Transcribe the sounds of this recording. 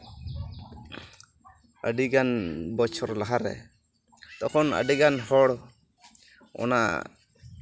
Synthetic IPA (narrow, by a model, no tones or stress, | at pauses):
əɖiɡanbɔt͡ʃʰɔɾlaɦaɾɛ̰ | t̪ɔkʰɔnə̰ɖiɡanhɔɽ | ɔ̰na̰ʔ